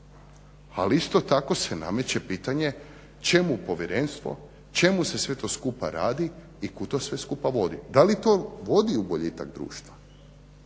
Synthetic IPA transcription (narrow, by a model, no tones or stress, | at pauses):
a̰liist̪o̞t̪ako̞sena̰me̞t͡ɕepiːt̪aɲe̞ | t͡ʃe̞mupo̞ʋjeɾe̞nst̪ʋo̞̰ | t͡ʃe̞muse̞sʋe̞t̪o̞skupa̰ɾaːd̪i | ikut̪o̞ːsʋe̞skupaʋo̞d̪ḭd̪alit̪oʋo̞d̪iubo̞ʎit̪a̰ɡd̪ɾṵːʃt̪ʋa